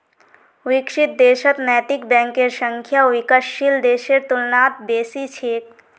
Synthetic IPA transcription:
ʋɪkʃɪt̪̚d̪eːʃət̪nɛːt̪ɪkbɛ̃ːŋkeɾʃə̃ŋkʰjaʋɪkəʃild̪eːʃeɾt̪ʊlnaːt̪̚b̪eːsit͡ʃʰeːk̚

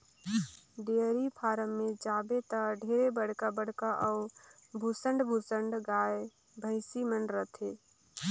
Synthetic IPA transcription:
ɖeəɾipʰaːɾəmːẽd͡ʒaːbet̪əɖʱeːɾebəɽ̤kabəɽ̤kaʔɔʊbʱusəɳɖbʱusəɳɖɡaːe | bʱəɪsimənɾət̪ʰe

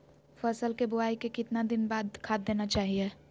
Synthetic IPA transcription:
fʰəsəlkebʊaːikekɪt̪nad̪ɪnbaːd̪kʰaːd̪̚ːeːnat͡ʃaːɦie

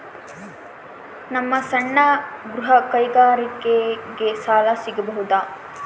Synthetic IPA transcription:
nɐmːɐsɐɳːɐɡɾuɦɐkɐjɡaːɾikeɡesaːlɐsiɡɐbɐɦud̪aː

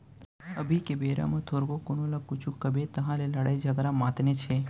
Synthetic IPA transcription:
əbʱikebeɾa̰mãt̪ʰoɾɡokonolakut͡ʃʰukːəbet̪əɦãleləɽaid͡ʒəɡɾamãt̪net͡ʃʰe

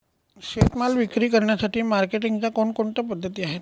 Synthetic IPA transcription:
ɕet̪malʋikɾiːkəɾɳjasaʈʰiːmaɾkeʈiŋɡt͡ɕjakoɳkoɳt̪apəd̪ʱːət̪iːaɦet̪

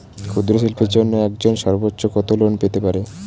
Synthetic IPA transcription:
kʰud̪ɾoʃ̬ilpʰeɾd͡ʑonːoɛkd͡ʑonʃɔɾbotːɕokɔt̪olonpet̪epaɾe

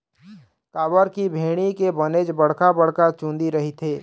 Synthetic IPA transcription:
kaːbəɾkibʱeːɽ̃ikebəned͡ʒbəɽ̤kabəɽ̤kat͡ʃũːnd̪iɾɐɦit̪ʰeː

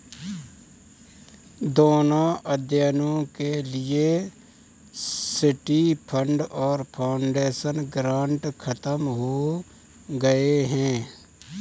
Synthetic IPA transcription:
d̪oːnaʔəd̪jənõkelɪe | sɪʈipʰə̃ɳɖɔːɾpʰaːʊɳɖeːʃənɡɾãːɳʈkʰət̪əmɦo | ɡəeɦɛ̃ː

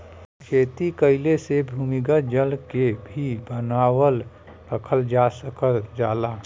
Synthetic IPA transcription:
t͡ʃʰeːt̪ikəɪlesebʱumiɡəd͡ʒəlkebʱibənaːwəl | ɾəkʰəld͡ʒasəkəd͡ʒaːla

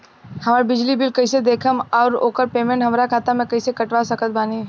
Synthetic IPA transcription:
hɐmaːɾbɪd͡ʒlibɪlkɐised̪eːkʰəmɔːɾo̰ːkəɾpeːmẽɳʈɦɐmɾakʰaːt̪amɛ̃kɐisekɐʈʋasɐkʰət̪̚baːni

